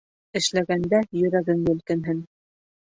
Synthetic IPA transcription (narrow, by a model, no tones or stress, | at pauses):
ɘ̆ʃlæɡænd̪æjɵ̆ɾæɡɘŋɡ̪ɘ̆ɵ̆lkɘ̆nɦɘn